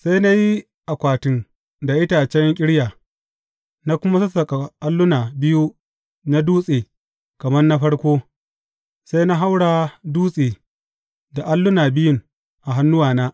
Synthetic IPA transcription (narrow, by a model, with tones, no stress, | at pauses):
sa˦jna˦ji˦ | ʔa˨kʷaː˨tɪ˦ŋ | da˨ʔɪ˦ta˨t͡ʃɛ˦ŋkʲʼɪ˦ɽjaː˨ | na˦kʷʊ˦ma˦sɐ˦sɐ˨kʼa˨ʔa˦lːʊ˦naː˨bɪ˦ju˦ | na˦duː˦sʼeː˨ | kɐ˨mɐ˦rna˦ɸɐ˦ɽkʷoː˦ | sa˦jna˦ɦa˦wɽaː˨duː˦sʼeː˨ | da˨ʔa˦lːʊ˦naː˨bɪ˦jʊ˦˨ŋ | ʔa˨ɦa˦nːʊ˦waː˨naː˦